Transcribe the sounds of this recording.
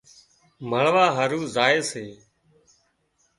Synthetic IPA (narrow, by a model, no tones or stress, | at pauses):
məɭʋaːɦəɾuːzaːeːseː